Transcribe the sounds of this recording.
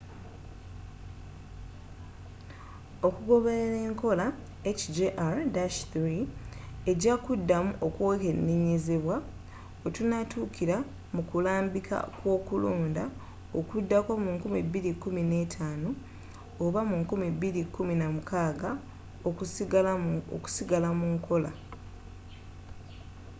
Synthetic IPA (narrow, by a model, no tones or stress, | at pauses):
o̞kuɡo̞βeɾeɾe̞ːŋko̞la | ecd͡ʒeʔaɾdaʃθɾie̞ɟakudːamuʔo̞kwokenːiɲiziβwa | otunatukʰiɾa | mukulaːmbika̰kwo̞ːkuluːnda | okudːako̞muŋkumibiɾikːumine̞tʰaːnoː | βamuŋkumibiɾikːuminamukaːɡa | o | o̰ku̥siɡalamuŋko̞la